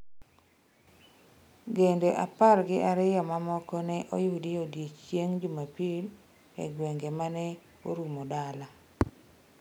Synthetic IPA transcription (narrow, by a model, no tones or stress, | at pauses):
ɡendeʔaparɡɪʔaɾɪjɔmamɔkɔnɛʔojudijodjet͡ʃjeŋd͡ʒumapil | ḛɡweŋɡemanɛ | oɾumodala